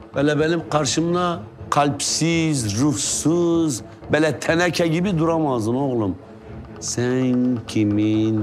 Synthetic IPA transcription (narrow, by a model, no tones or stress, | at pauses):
b̥ɛlɛbɛlɪmqʰɑɾʃɨmd̪ɑqʰɑlpʰsizɾuhsɨz | bɛlɛt̪ʰɛnɛkʲʰɛɡʲibɪd̪uɾɑmɑːzɨnoʁlˠum | sɛnkʲʰimin